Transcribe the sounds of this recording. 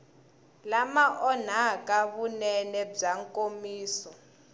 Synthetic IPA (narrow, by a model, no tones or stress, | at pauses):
lamaʔɔn̤akaβunɛnɛb͡ʐaŋkʼomiːsɔ